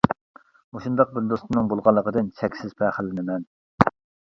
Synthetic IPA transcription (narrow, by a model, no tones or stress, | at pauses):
moʃund̪ɑq̚bɪɾd̪ost̪ɨnɨŋbolˠʁɑlˠːəqʰəd̪ɨnt͡ʃʰɛkʲsɪz̥pʰɛχəlːɪnɪmɛn